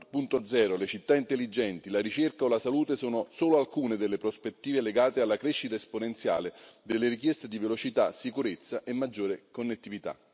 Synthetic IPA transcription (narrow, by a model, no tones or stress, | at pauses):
punt̪od̪zɛːɾolet͡ʃit̪ːaint̪elːid͡ʒɛnt̪ilaɾit͡ʃerkaolasaluːt̪esoːnosoːloalkuːned̪elːepɾospet̪ːiːveleɡaːt̪ealːakɾeʃːit̪aesponent̪sja̰ːled̪elːeɾik̬jɛst̪ed̪ivelot͡ʃit̪asikuɾet̪sːaʔemːad͡ʒːoːɾekonːet̪ːivit̪a̰